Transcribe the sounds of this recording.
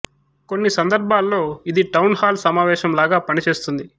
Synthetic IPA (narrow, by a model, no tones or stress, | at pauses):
ko̞nːisɐnd̪ɐɾbʱaːlːo̞ːid̪iʈɐwnhaːlsɐmaːʋɛːʃɐmlaːɡaːpɐnit͡ʃe̞ːst̪und̪i